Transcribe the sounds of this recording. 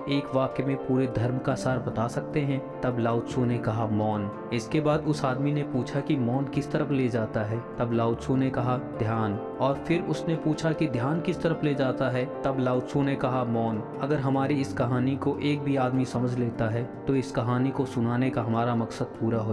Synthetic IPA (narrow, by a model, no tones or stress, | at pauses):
eːkʋaːkemẽpuːɾed̪ʱɐɾmkasaːɾbɐt̪asɐk̚t̪eɦɛ̃t̪ɐblaːʊt̪sõnekɐɦamɔːn | ɪskebaːd̪ʊsaːd̪minepuːt͡ʃʰakimɔːnkɪst̪ɐɾəfleːd͡ʒaːt̪aɦɛːt̪ɐblaːʊt̪sõnekɐɦad̪ʱjaːn | ɔːɾfʰɪɾʊsnepuːt͡ʃʰakid̪ʱjaːnkɪst̪ɐɾəfleːd͡ʒaːt̪aɦɛt̪ɐblaːʊt̪sõnekɐɦamɔːn | ɐɡəɾɦɐmaːɾiɪskɐɦaːnikoʔeːk̚bʱiaːd̪misɐməd͡ʒʱleːt̪aɦɛt̪oɪskɐɦaːnikosʊnaːnekaɦɐmaːɾamɐksəd̪̚puːɾaɦo